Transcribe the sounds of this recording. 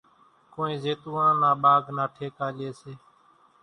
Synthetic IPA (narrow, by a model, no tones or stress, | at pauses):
kõːĩːzeːt̪uːãːnaːɓaːɡnaːʈʰeːkaːlɪeːseː